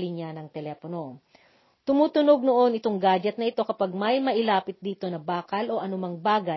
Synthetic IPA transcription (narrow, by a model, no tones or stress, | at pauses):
lɪɲanɐŋt̪ɛlɛːpono̞ | t̪ʊmuːt̪ʊno̞ɡ̚noʔo̞nʔɪt̪o̞ŋɡaːd͡ʒɛt̪̚nɐʔɪt̪o̞kɐpaɡ̚mɐjmɐʔɪlaːpɪt̪̚d̪iːt̪o̞nɐbaːkɐlʔo̞ʔɐnʊmɐŋbaːɡɐ